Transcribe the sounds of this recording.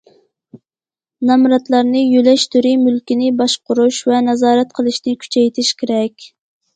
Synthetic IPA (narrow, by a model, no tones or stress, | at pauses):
nɑmɾɑt̪lˠɑɾnɨjølɛʃt̪ʰyɾimylkʲinɪbɑʃqʊɾuʃvɛnɛzɑːɾɛt̪̚qʰəlˠɨʃnɪkʲʰy̥t͡ʃʰɛjt̪ʰɪʃkʲʰeɾɛkʲ